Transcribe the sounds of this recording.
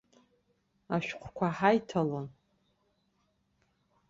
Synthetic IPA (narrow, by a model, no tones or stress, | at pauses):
aʃᶣqʷʰkʷʰaħajtʰalon